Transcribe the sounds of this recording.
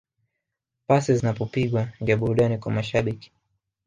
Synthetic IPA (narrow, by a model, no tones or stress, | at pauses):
pasizinapɔpiɡwanɡiaɓuɾuɗanikwamaʃaɓiki̥